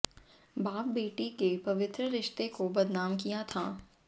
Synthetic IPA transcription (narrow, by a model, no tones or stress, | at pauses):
baːp̚beːʈikepɐʋɪt̪ɾəɾɪʃt̪ekobɐd̪naːmkijat̪ʰaː